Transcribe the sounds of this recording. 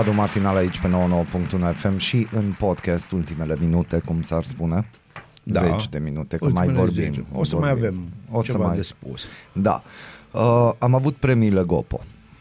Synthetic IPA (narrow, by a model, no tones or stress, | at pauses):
ad̪omat̪inalait͡ʃpe̞noonowopuŋk̚t̪unuefe̞mʃiʔɨnpo̞d̪kʲast̪ult̪ime̞le̞minut̪e̞kumsarspune̞ | zet͡ʃd̪e̞minut̪e̞kəmajvorbḭmosəoɾmajivemosəmajspusd̪a̰əamavut̪̚pɾe̞mile̞ɡo̞̰po̞̰